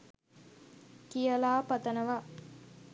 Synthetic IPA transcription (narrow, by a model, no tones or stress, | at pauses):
kijɐlaːpɐt̪ɐnɐʋa